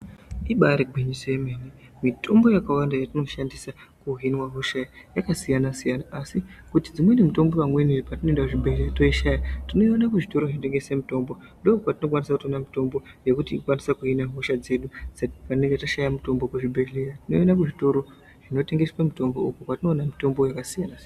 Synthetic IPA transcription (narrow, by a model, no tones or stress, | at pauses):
iɓaɾeɡʱwiɲiseemenemitʰo̞mbo̞jakawandajatino̞ʃandisakuɦinwaɦoʃajakasijanasijanaʔːsikutid͡zimwenimuto̞mbo̞wamweniripatinondauʐibʱeɮerato̞iʃajatino̞ionakuʐito̞ɾoʐinote̞ŋɡe̞se̞muto̞mbo̞ | ndo̞upwatino̞kwanisakutonamito̞mbo̞ | je̞kutikwanisakuɦinaɦuʃad͡ze̞ɗud͡zapaneŋɡetaʃajamuto̞mbokuʐibʱe̞ɮeratino̞jonakuʐito̞ɾo̞ | ʐ̥ino̞te̞ŋɡe̞swemito̞mboukukwatino̞ːnamito̞mbojakasijanasian